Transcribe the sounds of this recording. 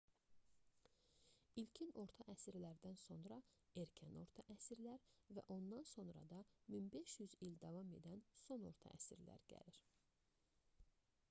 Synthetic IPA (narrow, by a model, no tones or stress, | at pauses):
ilcʰino̞ɾt̪ʰɑʔæsiɾlæɾd̪ænso̞nɾɑeɾcʰæno̞ɾt̪ʰɑʔæsiɾlæɾvæ̰ʔo̞nd̪ɑnso̞nɾɑ̰d̪ɑminbe̞ʃjyzild̪ɑvɑme̞d̪ænso̞no̞̰ɾt̪ʰɑ̰ʔæ̰siɾlæ̰ɾɟæ̰liɾ̥